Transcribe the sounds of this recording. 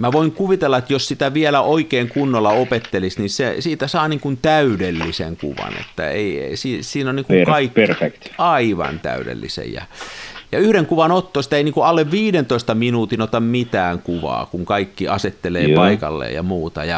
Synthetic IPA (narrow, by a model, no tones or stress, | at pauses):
mæʋoiŋkuʋit̪elːɑet̪jossit̪æʋiælæʔoikeːŋkunːolːɑopet̪ːelisnisesiːt̪æsɑːniːŋkunt̪æydelːisḛŋkṵʋɑ̰nḛt̪ːæ̰ḛiesiːsiːnonniːŋkukɑikːerfekt̪ɑiʋɑ̰nt̪æ̰yɾḛlːḭsḛjjɑ̰jɑyhɾeŋkuʋɑnot̪ːosi̥t̪æeiniːŋkuɑlːeʋʋiːɾent̪oist̪ɑminuːt̪inot̪ɑmmit̪æːŋkuʋɑ̰ːkuŋkɑikːiʔɑset̪ːelḛːpɑikɑlːḛːjjɑ̰muːt̪ɑjɑ